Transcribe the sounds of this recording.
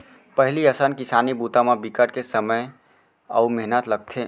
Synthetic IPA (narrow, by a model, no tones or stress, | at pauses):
pəɦɪliəsənkisaːnibut̪amebikəʈkesəməj | ə̰umeɦnət̪ləɡ̚t̪ʰe